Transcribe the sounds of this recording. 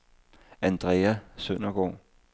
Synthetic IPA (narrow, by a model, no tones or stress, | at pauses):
ænd̥ʁɛːæsøn̰ɐɡ̥ɒ̰ː